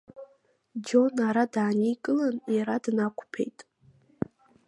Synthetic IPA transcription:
d͡ʒo̞naɾadaːnikʼɨlanjaɾadnakʷʰʼpʰe̞̰jtʼ

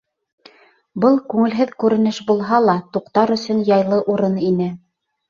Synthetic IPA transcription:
bɤlˠkʉŋɘ̆lɦɘðkʉɾɘ̆nɘʃbulˠɦɑlˠɑt̪uqt̪ɑɾɵ̆sɵnjɑjlˠɤʔuɾɤninɘ

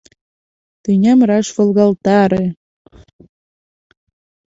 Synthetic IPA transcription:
t̪enʲæmrɑʃβɤ̆lɣɑlt̪ɑɾe

